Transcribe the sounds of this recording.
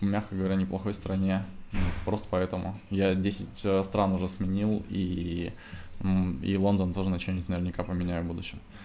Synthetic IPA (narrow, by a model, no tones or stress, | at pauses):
mʲaxkəɡəvɐɾʲanʲɪplˠɐxo̞jst̪ɾɐnʲeopɾo̞st̪ə̥pɐɛt̪əmʊ̰jadʲesʲɪtʲst̪ɾanʊʐɛsmʲɪnʲilˠi | ḭlˠo̞nd̪ənt̪o̞ʐɨnət͡ɕɪnʲɪt̪ʲnəvʲɪrnʲɪkapəmʲɪnʲæjʊbud̪ʊɕːɪm